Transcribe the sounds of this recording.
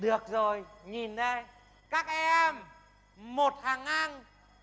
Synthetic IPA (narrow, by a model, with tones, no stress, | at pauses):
ɗɨ˨˩ək̚zo˨˩jɲi˨˩nːe˧ | kaː˦˥k̚ʔɛ˧ɛ˧m | mo˨˩t̚haː˨˩ŋʔa˧ŋ